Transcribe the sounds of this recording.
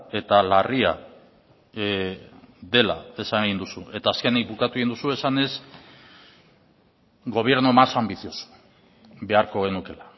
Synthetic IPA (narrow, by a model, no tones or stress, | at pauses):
e̞t̪alaria̰ | ðe̞la̰e̞saneɣind̪usue̞t̪aːskenikbukat̪ueind̪usue̞sane̞s | ɡo̞β̞je̞ɾnumasambiθioso̥ | be̞aɾko̞ɣe̞nuke̞la